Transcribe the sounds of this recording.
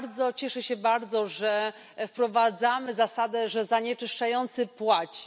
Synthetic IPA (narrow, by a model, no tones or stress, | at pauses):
ɾd̪zɔt͡ɕɛʂɛɕɛbaɾd̪zɔʐɛ | fpɾɔvad̪zamɘzasad̪ɛʐɛzaɲɛt͡ʂɘʂt͡ʂajɔnt̪sɘpwat͡ɕi̥